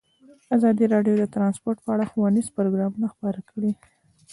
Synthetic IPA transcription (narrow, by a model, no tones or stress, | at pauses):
azɑd̪iɾɑɖjod̪ət̪ɾɑnspoɾʈ̚pəaɽaxwɑnizpʊɾoɡɾɑmunaxpəɾakəɽi